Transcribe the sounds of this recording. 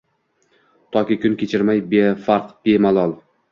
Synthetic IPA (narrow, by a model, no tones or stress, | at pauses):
t̪ʰɒkʲɪkʲʊnkʲʰet͡ʃʰɪɾmajbefaɾqb̥emalˠɒlˠ